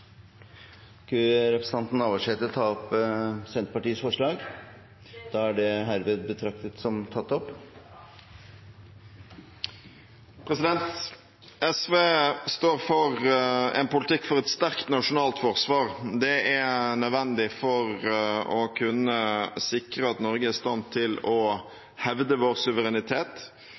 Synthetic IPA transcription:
kʰʉɾɛpɾəs̩ɑnt̪n̩ɑːʋɑʂɛt̪ːəɾt̪ʰɑːɔpsɛnt̪pɑʈiːəsfɔʂɭɑːɡ | d̪̥ɑːæɖɛɦæɾʋɛd̪bət̪ʰɾɑk̚t̪ət̪sɔmt̪ʰɑt̪ːɔpː | pʰɾɛsɪd̪ɛnt̪ | ʔɛsʋeːst̪oːɾfɔɾɛ̰npʊlt̪ʰɪkːfɔɾɛt̪st̪æɾkt̪nɑʂʊnɑːlt̪fɔʁsʋɑːɾd̪ɛænœd̪ʋɛnd̪ɪfɔɾɔkʰʉnːəsɪkɾəɑt̪nɔɾɡəæɾst̪ɑnt̪ʰːɪlɔ | hɛʋd̪əʋoːʁsʉʋəɾɛnɪt̪ʰeːt̪

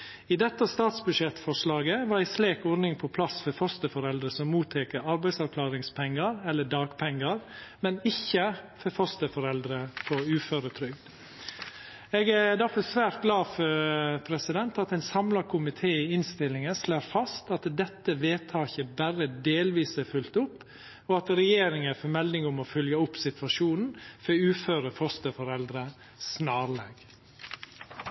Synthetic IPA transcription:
ɪd̪ɛt̪ːəst̪ɑːt̪sbʉʂɛt̪fɔʂlɑːɡəʋɑɾæɪsleːkɔɾnɪŋpʰɔpʰlɑsfɔɾfɔst̪əfɔɾɛld̪ɾəsɔmːuːt̪ʰːɛːkəɾɑɾbæɪsɑʋkʰlɑːɾɪŋspʰɛŋːəɾɛlːəɖɑːɡ̥pʰɛŋːəɾmɛnɪçːəfɔfɔst̪əfɔɾɛld̪ɾəfɔʉːføːɾət̪ʰɾʏɡd̪ | ɛːɡæd̪æɾfɔsʋæːɾt̪̚ɡlɑːfœɾpʰɾɛsɪd̪ɛnt̪ɑt̪ɛɪnsɑmlɑkʰʊmɪt̪ʰeːɪɪnst̪ɪlːɪŋəsloːɾfɑst̪ɑt̪d̪ɛt̪ːəʋeːt̪ʰɑːçəbæɾəd̪eːlʋiːsəfʉlt̪ʊpː | ɔɑt̪ɾɛjeːɾɪŋəfɔɾmɛld̪ɪŋʊmɔfœljəʊpːsɪt̪ʋɑʂuːnn̩fɔʉːføːɾəfɔst̪əfɔɾɛld̪ɾə | snɑːɾleːɡ

